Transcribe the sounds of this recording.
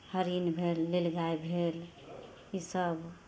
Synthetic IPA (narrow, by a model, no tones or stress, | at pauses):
həɾinbʱelːelɡaebʱel | isəb